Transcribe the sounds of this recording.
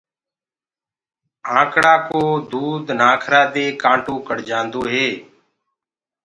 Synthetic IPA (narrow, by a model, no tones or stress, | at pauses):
ãːkɽaːkoːd̪uːd̪naːkʰɾaːd̪eːkãːɳʈoːkəɽd͡ʒãːnd̪oːɦeː